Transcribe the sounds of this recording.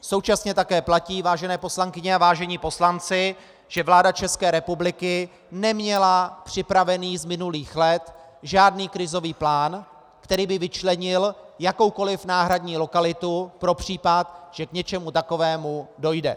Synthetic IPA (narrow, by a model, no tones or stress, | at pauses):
so̞wt͡ʃasɲɛt̪akɛːplaciːvaːʒɛnɛːpo̞slaŋkɪɲɛavaːʒɛɲiːpo̞slant͡sɪ | ʒ̥ɛvlaːdat͡ʃɛskɛːɾɛpublɪkɪ | nɛmɲɛlapr̥ɪpɾavɛniːzmɪnuliːxlɛt̪ | ʒaːdniːkɾɪzo̞viːplaːn | kt̪ɛɾiːbɪvɪt͡ʃlɛɲɪljako̞wko̞lɪfnaːɦɾadɲiːlo̞kalɪt̪upɾo̞pr̝̥iːpat̪ʒ̥ɛkɲɛt͡ʃɛmut̪ako̞vɛːmudo̞jdɛ̰